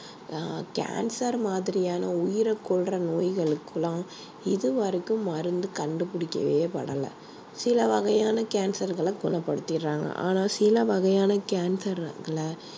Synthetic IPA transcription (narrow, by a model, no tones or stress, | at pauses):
ka̰ːnsɐɾmaːðɪɾɪjaːnɐʊjɪɾɐkːɔɭrɐnoːjɣɐɭɯkːɯlãː | ɪðɯʋɐɾɯkːɯmːɐɾɯnd̪ɯkɐɳɖɯpʊɽɪkːɐ̰ʋeːpɐ̰ɽɐlɐ̰ | sɪlɐʋɐɣɐjaːnɐkaːnsɐɾɣɐɭɐɡʊnɐpːɐɽɯt̪ːɪɾːaːŋɡɐ̰ʔa̰ːnaːsɪlɐʋɐɣɐjaːnɐkaːnsɐɾɡɐɭɐ